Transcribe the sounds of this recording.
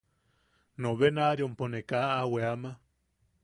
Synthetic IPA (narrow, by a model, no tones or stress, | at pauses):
noβenaɾjomponekaaweama